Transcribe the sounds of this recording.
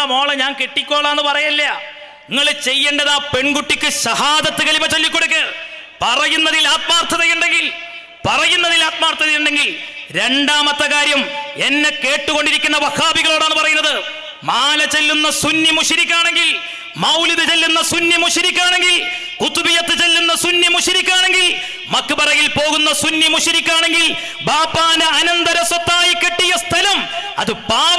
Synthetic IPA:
mo̞ːɭɐɲaːnkeʈːikʲːo̞ːɭɐenːɨpɐrɐjɐlːeɐ | niŋːɐɭt͡ɕe̞jːeːɳɖɐðaːpe̞ɳɡuʈːikʲːɨɕɐhaːd̪ɐt̪ːɨkɐlibɐt͡ɕelːikʲːo̞ɽuk̬ʲːɨ | pɐrɐjunːɐðilaːt̪maːrt̪ʰɐðɐjuɳɖe̞ŋɡil | pɐrɐjunːɐðilaːt̪maːrt̪ʰːɐðijuɳɖe̞ŋɡilɾe̞ɳɖaːmɐt̪ːɐkaːɾjɐme̞nːeke̞ːʈːuɣo̞ɳɖiɾikʲːunːɐʋɐkʰaːbiɣɐɭoːɽaːnːɨpɐrɐjunːɐðɨ | maːlɐt͡ɕe̞lːunːɐsunːimuʂiɾikʲːaːɳe̞ŋɡil | mɐwliðɨt͡ɕe̞lːunːɐsunːimuʂiɾikʲːaːɳe̞ŋɡil | kut̪ːubijɐt̪ːɨt͡ɕe̞lːunːɐsunjimuʂiɾikʲːaːɳe̞ŋɡil | mɐkːɨpɐrɐjilpo̞ːɣunːɐsunːjimuʂiɾikʲːaːɳe̞ŋɡil | baːpːaːnɨɐnɐnd̪ɐɾɐswɐt̪ːaːjikːe̞ʈːijɐst̪ʰɐlɐmɐ̰ðɨpaː

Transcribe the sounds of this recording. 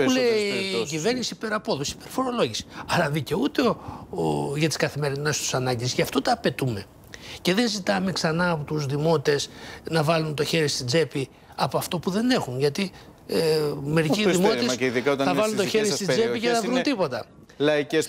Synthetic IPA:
uleːcive̞ɾnisipe̞ɾɐpo̞ðusi̥pe̞ɾfo̞ɾo̞lo̞ʝisi̥ɐɾɐðice̞ut̪eo | ʝɐt̪i̥skɐθime̞ɾinest̪u̥sɐnɐɲɟiscɐft̪ot̪ɐːpe̞t̪ume̞ | ce̞ðenzit̪ɐmeksɐnɐːpot̪uzðimo̞t̪e̞snɐvɐlunt̪o̞çe̞ɾist̪id͡ze̞pi | ɐpoɐft̪o̞puðe̞ne̞xunʝɐt̪i | me̞ɾiiððimot̪iðikɐot̪ɐθɐvɐlunt̪oçeɾist̪id͡zeiceθɐvɾunt̪ipo̞t̪ɐ | lɐices

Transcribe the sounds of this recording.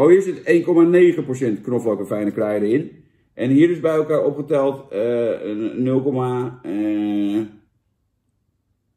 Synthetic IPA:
ʋowisəteːnkomaneːɣəprosɛntknoflɔkəfɛjnəklɛjdəɪn | ʔɛnhiəɾɪzbɛjɛlˠkaːɹopɣətɛlˠtə | nølˠkoma

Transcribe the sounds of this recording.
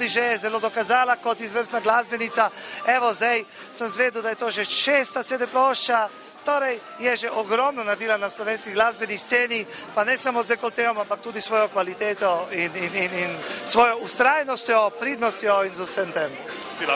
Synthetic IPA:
d̪iʒɛɛzɛlod̪ɔkazaːlakɔt̪izʋəɾsnaɡlaːzbɛnit̪saɛʋɔzd̪aj | səmzʋeːd̪ud̪ajɛt̪oːʒɛt͡ʃeːst̪at̪eːd̪ɛpɾoʃt͡ʃa | t̪oːɾɛj | jɛʒɛʔɔɡɾɔmnɔnad̪iːlanaslɔʋeːnskiɡlaːzbɛnist̪seːnipanɛsamozd̪ɛjkot̪ːeɔmampak̚t̪uːd̪isʋoːjɔkʋalit̪eːt̪ɔininininsʋoːjɔust̪ɾaːjnɔst̪jɔpɾiːd̪nɔst̪jɔinzusəmt̪em

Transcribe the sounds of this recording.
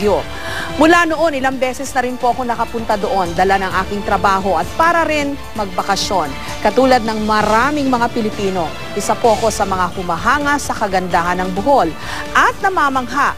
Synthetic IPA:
jo | mʊlanoʔo̞nʔɪlaŋbɛːsɛsnɐɾɪnpo̞ʔɐko̞nɐkɐpʊnt̪ɐd̪oʔo̞nd̪ɐlanɐŋʔaːkɪŋt̪ɾɐbaːɦo̞ʔɐt̪̚paːɾɐɾɪn | mɐɡ̚bɐkɐʃo̞n | kɐt̪uːlɐd̪̚nɐŋmɐɾaːmɪŋmɐŋapɪlɪpiːno̞ | ʔɪsapo̞ʔɐko̞sɐmɐŋahʊmɐɦaːŋɐsɐkɐɡɐnd̪aːhɐnɐŋbʊho̞l | ʔɐt̪̚nɐmaːmɐŋɦa

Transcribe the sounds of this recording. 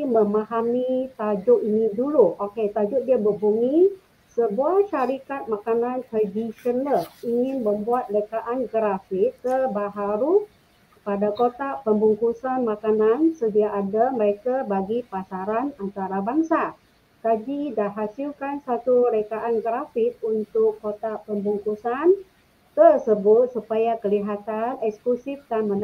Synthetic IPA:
məmaɦamit̪ad͡ʒʊʔiniduluoket̪ad͡ʒʊdiabəbuŋi | səbuahʃaɾikat̪̚makanant̪ɾadiʃənəliŋɪnməmbuat̪̚lekaʔanɡɾafɪtːəbaɦaɾu | padakot̪apəmbuŋkusanmakanansədiaʔːdaməɾekabaɡipasaɾanant̪aɾabaŋsa | kad͡ʒidaɦasilkansat̪ulekaʔanɡəɾafɪt̪̚unt̪ʊkːot̪apəmbuŋkusan | t̪ərsəbʊt̪̚supajakəliɦat̪anɛksklusɪfdanmən

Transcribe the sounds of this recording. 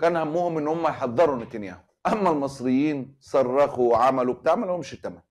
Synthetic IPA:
kæːnhæmːuːhʊmʔɪnːhʊmːæjħɑðˤːɑɾˤʊnɪt̪anjæ̰ːhʊmʔæmːælmɑsˤɾɪjːiːnsˤɑrˤːɑxuwʕamæluwb̚t̪aʕmælhʊmʃit̪ːæmæn

